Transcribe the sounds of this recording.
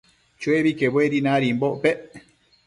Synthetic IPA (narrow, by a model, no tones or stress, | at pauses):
t͡ʃweβikebeɾinãɾimboʔpeʔ